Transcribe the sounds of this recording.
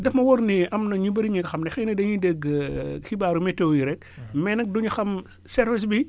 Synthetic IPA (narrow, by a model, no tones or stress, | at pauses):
dɛfmɐwɔɾniʔɐmnɐɲubɐɾiɲiɡɐxɐmnɛxɛnɐdɐɲideɡkibaːɾumɛtːɛwjiɾɛk̚ | mɛnɐk̚duɲuxɐm | sɛɾvis̬bi